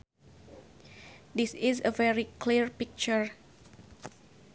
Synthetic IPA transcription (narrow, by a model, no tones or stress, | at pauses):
disizəvɛɹikliɹpik̚t͡ʃəɹ